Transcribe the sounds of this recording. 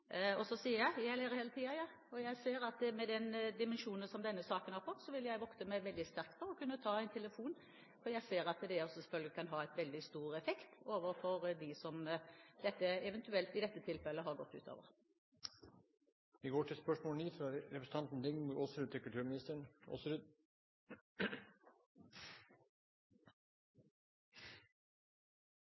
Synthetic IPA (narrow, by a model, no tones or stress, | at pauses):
ɔsɔsiːəjɑjæleːɾəheːlət̪ʰiːɑjɑː | ɔjæɪseːɾɑt̪mɛd̪ɛnd̪ɪmɛnʃuːnənsɔmd̪ɛnːəsɑːkənhɑɾfɔt̪ːsɔʋɪljæɪʋɔkt̪əmæɪʋɛld̪ɪst̪æɾk̚t̪fʰɔɾɔkʉnːət̪ʰɑːæɪnt̪ʰɛləfuːn | fɔɾjæɪseːɾɑt̪d̪ɛɔsɔsfœlɡəkʰɑnɦɑːɛɪt̪ʋɛld̪ɪst̪uːɾɛfɛkt̪oːʋəɾfɔɾd̪ɪsɔmd̪ɛt̪ːəɛʋɛnt̪ʉɛlt̪ɪd̪ɛt̪ːət̪ʰɪlfɛlːəɦɑɾɡɔt̪ːʉ̰ːt̪ʰo̰ːʋə̰ʁ | ʋɪɡoːʈʰɪlspœʂmoːlɳiːfɾɑɾɛpɾsn̩ɑnt̪n̩d̪ɪŋmʊɾosɾʉd̪̚ʰɪkʉlʈ̪ʰʉːɾmɪnɪst̪əɳo̰ːsɾʉd̪